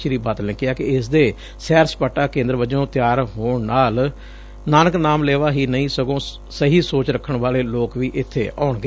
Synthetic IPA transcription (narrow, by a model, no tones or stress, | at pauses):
ʃɾiːbaːt̪lẽːkɪjaːkɪɪs̬d̪eː | sɛːɾspaːʈːaːkẽːnd̪əɾʋəd͡ʒõːt̪jaːɾɦoːɳnaːl | naːnəknaːmleːʋaːɦiːnəĩːsəɡõː | səɦiːsoːt͡ʃɾəkʰːəɳʋaːleːloːkʋiːʔɪt̪ʰːeːʔa̰ːɳɡe